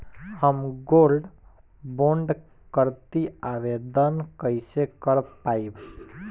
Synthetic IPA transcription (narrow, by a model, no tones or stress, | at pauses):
həmɡolɖ | boɳɖ | kəɾt̪iabed̪ənkəɪsekəɾpaib